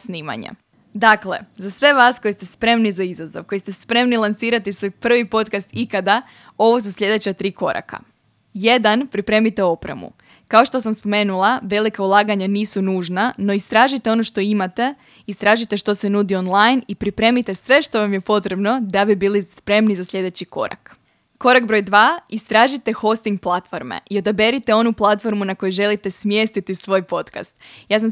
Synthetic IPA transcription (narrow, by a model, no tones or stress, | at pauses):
sniːma̰ɲa̰ | d̪akle̞̰zasʋe̞ʋaːsko̞jist̪e̞spɾe̞mnizaizazo̞̰ʋko̞jst̪e̞spɾe̞mnilˠansiːɾat̪isʋojpr̩ʋipo̞t̪kast̪ikad̪a | o̞ʋo̞s̬usʎʲe̞d̪e̞t͡ɕat̪ɾiːko̞ɾa̰kʰa̰ | je̞d̪anpɾipɾe̞ːmit̪e̞o̞pɾḛmṵ | kaoʃt̪o̞samspo̞me̞ːnulˠaʋe̞likaulˠaːɡaɲaniːsunuːʒnano̞ist̪ɾaːʒit̪e̞o̞no̞ʃt̪o̞imat̪e̞ | ist̪ɾaːʒit̪e̞ʃt̪o̞senuːd̪io̞nlˠajnipɾipɾe̞ːmit̪e̞sʋe̞ʃt̪o̞ʋamjepo̞t̪ɾe̞bno̞d̪abibiːlispɾe̞mnizasʎʲe̞d̪e̞t͡ɕiko̞̰ɾa̰k | ko̞ɾaɡ̚bɾo̞jd̪ʋaːist̪ɾaːʒit̪e̞xo̞st̪iŋɡ̚plˠat̪fo̞ɾmḛʔio̞d̪abe̞ɾit̪e̞o̞nuplˠat̪fo̞ɾmunako̞juʒe̞lit̪e̞smje̞ːst̪it̪isʋo̞ːjpo̞t̪ka̰st̪jaːsam